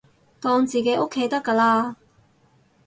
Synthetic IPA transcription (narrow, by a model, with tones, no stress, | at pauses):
t̪ɔː˧ŋt͡siː˨ke˨˧˥ʔo˥kʰːe˨˥jt̪ɐ˥kːaː˧laː˧